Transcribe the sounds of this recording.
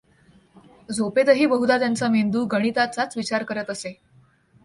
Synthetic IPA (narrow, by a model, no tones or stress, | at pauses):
d͡zopet̪əɦiːbəɦud̪at̪jant͡samend̪uːɡəɽ̃it̪at͡sat͡sʋit͡ɕaɾkəɾət̪əse